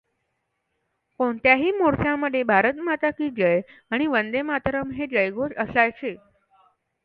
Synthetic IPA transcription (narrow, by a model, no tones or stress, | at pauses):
koɳt̪jaɦiːmoɾsjaməd̪ʱebʱaɾət̪mat̪akiːd͡ʑəjaɽ̃iʋənd̪emat̪ɾəmɦed͡ʑəjɡod͡ʑəsajt͡ɕʰe